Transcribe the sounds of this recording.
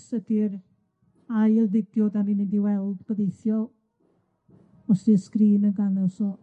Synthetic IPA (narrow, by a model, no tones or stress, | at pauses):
sədiɾ | ajlðɪdjɔd̪aminədiwɛlˠdb̥əðejθjɔ | ɔsdiskɾiːnəɡanəsɔ